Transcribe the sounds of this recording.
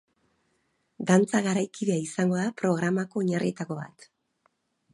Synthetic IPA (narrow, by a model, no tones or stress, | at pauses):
d̪ant͡saɣaɾajkiðe̞aisaŋɡo̞ðapɾo̞ɣ̞ɾamako̞ːɲarit̪ako̞βa̰t̪